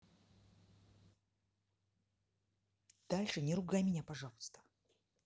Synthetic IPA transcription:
d̪̥alʲʂɨnʲɪɾʊɡajmʲɪnʲapɐʐɑlˠɨst̪ə̥

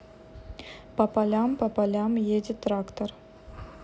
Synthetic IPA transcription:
pɐpalʲampɐpalʲamjedʲɪt̪rakt̪or

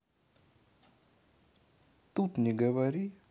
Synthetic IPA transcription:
t̪ut̪niɡəʋaɾi

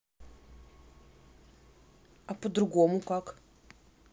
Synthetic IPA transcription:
apudɾuɡomukak

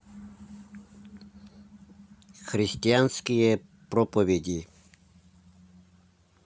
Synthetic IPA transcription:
xɾist̪ʲianskijɛpɾɔpɔʋʲɛɟi

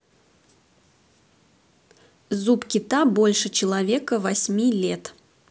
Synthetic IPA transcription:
zupkʲɪt̪abolʲʂɨt͡ɕɪlˠɐvʲekəvɐsʲmʲilʲet̪

